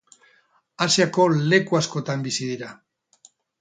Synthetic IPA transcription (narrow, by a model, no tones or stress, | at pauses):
asiako̞le̞kuasko̞t̪ambisið̞iɾa